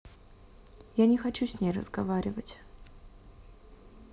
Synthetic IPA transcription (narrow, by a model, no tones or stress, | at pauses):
janʲɪxɐt͡ɕusʲnʲejrə̰zɡɐvaɾʲɪvətʲ